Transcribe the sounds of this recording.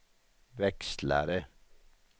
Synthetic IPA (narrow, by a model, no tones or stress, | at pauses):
ʋɛkst̪læ̰ːɾə